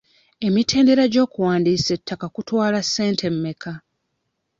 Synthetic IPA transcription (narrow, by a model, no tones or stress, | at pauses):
e̞mitʰe̞ːnde̞ɾaɟo̞ːkuwaːndiːse̞tʰːakakutwaːlasːe̞ːntʰe̞mːe̞kʰa